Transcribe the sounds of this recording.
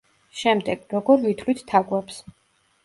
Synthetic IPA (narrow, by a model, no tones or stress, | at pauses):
ʃɛmd̪ɛɡ̥ɾɔɡɔɾvit̪ʰlit̪ʰt̪ʰːaɡwɛps